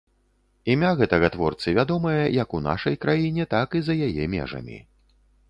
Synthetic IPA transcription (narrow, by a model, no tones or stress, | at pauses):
imʲaɣɛt̪ɐɣɐt̪vɔrt̪sɨvʲad̪ɔmɐjɐjɐkuna̰ʂɐjkɾajinʲɛt̪akizɐjajɛmʲɛ̰ʐɐ̰mʲḭ